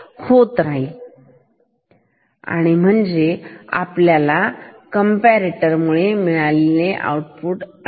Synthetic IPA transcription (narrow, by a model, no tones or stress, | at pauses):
hot̪ɾaɦi | a̰ɽ̃im̤əɳd͡zea̰pljalakəmpæɾeʈəɾmuɭemiɭalileʔa̰wʈpuʈ